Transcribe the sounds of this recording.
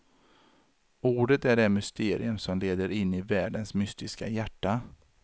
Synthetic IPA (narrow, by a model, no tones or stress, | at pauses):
uːɖət̪æɖɛmʏst̪eːɾɪ̰ɵmsɔmleːd̪əɾɪnːɪvæːɖənsmʏst̪ɪska̰jæʈːa